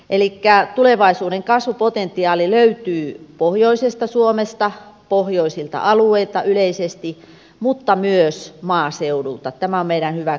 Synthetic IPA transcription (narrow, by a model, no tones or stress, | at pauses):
ʔelikːæt̪uleʋɑisuːɾeŋkɑsʋupot̪ent̪ːiɑːliløyt̪yːpohjoisest̪ɑsuomest̪ɑpohjoisilt̪ɑ̰ʔɑlueilt̪ɑyleisest̪i | mut̪ːɑmyøsmɑːseurult̪ɑt̪æmæommeiɾænhyʋæ